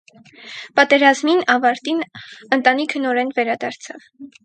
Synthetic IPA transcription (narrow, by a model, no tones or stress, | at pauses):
pɑt̪ɛɾɑzminɑvɑɾt̪inənt̪ɑnikʰənɔɾɛnvɛɾɑd̪ɑɾt͡sʰɑ̰v